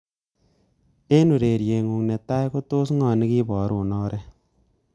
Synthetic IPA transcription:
e˦nu˨ɾe˨ɾje˨ŋu˨ŋnɛ˨ta˦jko˦to˦s̬ŋɔː˨ni˦kiː˦bɔː˨ɾuː˨nɔː˦ɾɛ˦

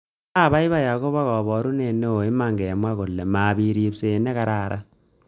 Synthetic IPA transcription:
a˦˨βa˦i˦βa˦ja˨ko˦βa˦kɔ˨bɔ˨ɾu˦ne˨no˦o˨i˦ma˨ŋɡɛ˨a˨mwa˦ko˨lːɛ˨ma˨bi˨ɾi˨pse˨nɛ˦ka˦ɾa˨ɾa̰˦

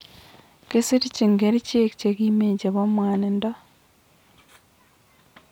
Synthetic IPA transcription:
ke˦si˦ɾi˦ci˨ŋɡeɾi˦ci˦e˦ki̥cekime˨ɟe˨βo˦mwaː˨nenda˦

